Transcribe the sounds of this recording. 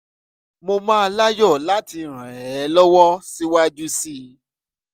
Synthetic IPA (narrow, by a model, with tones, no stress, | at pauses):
mo˧mãː˦˧la˦jɔ˦˨la˨˦ti˧ɾ̃ɛ̃˨ɛ˨˦lɔ˦wɔ˦si˦wa˦d͡ʒu˦si˦˨